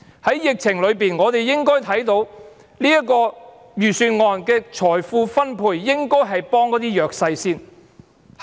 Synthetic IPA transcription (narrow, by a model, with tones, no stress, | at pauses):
hɐ˨˥jjɪ˨k̚t͡sʰɪ˨˩ŋlɵ˨˧ɥpiː˨nŋɔː˨˧t̪e˨jːɪ˥ŋkɔː˥jt̪ʰɐ˨˥jt̪o˨˥w | liː˥jɐ˥kɔː˧ | jyː˨syː˧nŋɔː˨˧nkɛː˧t͡ʃʰɔː˨˩jfuː˧fɐ˥npʰuː˨jːɪ˥ŋkɔː˥jɦɐ˨jpɔː˥ŋkɔː˨˥t̪iː˥jœː˨k̚sɐ˧jsiː˥n